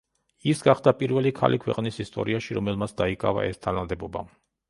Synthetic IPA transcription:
isɡaχd̪apʼiɾvɛlikʰa̰lʔikʰwɛ̰qʼnisist̪ʼɔ̰ɾiaʃiɾɔmɛlmasʰd̪aikʼa̰va̰ɛst̪ʰanad̪ɛbɔba

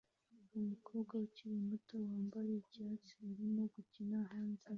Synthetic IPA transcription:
umukʰoːbɡwauciɾimutowaːmbaɾeɟaːt͡siiɾimo̞ɡucinaɦaːnze

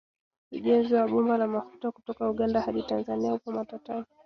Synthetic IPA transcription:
ṵʄɛnziwaɓumbalamafu̥takutɔkauɠandahaɗitanzaniaupɔmatatavi

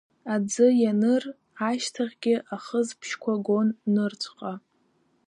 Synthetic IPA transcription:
ad͡zɨjanɨr | aʃtʰaʁʲɡʲɪʔaχəzpʰʃkʷʰaɡo̞nːɨrt͡sʷʰʼqʼa

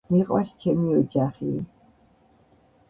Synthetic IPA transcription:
miqʼwa̰st͡ʃʰɛmiɔd͡ʒaχiː

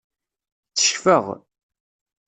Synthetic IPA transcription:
t͡sːə̥ʃçfəʁ

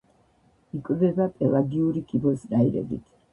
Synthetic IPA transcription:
ikʼvɛbapʼɛlaɡiuɾikʰibɔsnajɾɛ̰ɡḭt̪ʰ

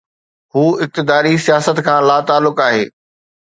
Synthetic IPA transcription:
ɦuːɪk̚t̪ɪd̪aːɾisijaːsət̪kʰãːlaːt̪aːlːʊkaːɦeː

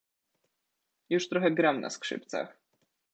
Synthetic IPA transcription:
juʂt̪ɾɔxɛɡɾamna̰skʂɘ̰p̚t̪sa̰x

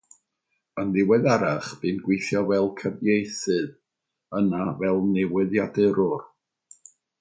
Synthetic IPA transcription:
ənðɪwɛðaɾaχb̥ɨnɡwejθjɔvɛlˠkʰəbjejθɨð | ənavɛlˠnɪwɪðjadɨɾʊr

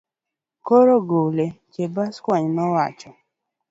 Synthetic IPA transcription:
koɾoɡolet͡ʃebaskwaɲmawat͡ʃɔ

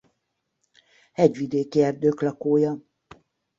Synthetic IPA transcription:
hɛɟʋid̪eːkiɛrd̪øːklɒkoːjɒ

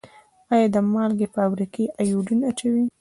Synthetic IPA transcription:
ɑjɑd̪əmɑlɡepəamɾikeʔajuɖunat͡ʃawi

